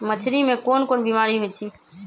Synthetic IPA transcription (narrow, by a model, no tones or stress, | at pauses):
mətʰɾimẽkoːnkoːnbimaːɾiɦojt͡ʃʰiː